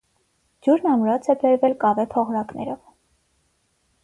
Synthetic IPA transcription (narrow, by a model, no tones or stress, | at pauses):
d͡ʒuɾnɑmɾɔt͡sʰɛbɛɾvɛlkɑvɛpʰɔʁɾɑknɛɾɔv